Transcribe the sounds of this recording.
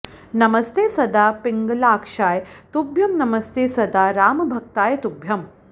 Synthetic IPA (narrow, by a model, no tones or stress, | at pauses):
nɐmɐst̪eːsɐd̪aːpiŋɡlaːkʂaːjt̪ubʱjɐmnɐmɐst̪eːsɐd̪aːɾaːmbʱɐk̚t̪aːjt̪ubʱjɐm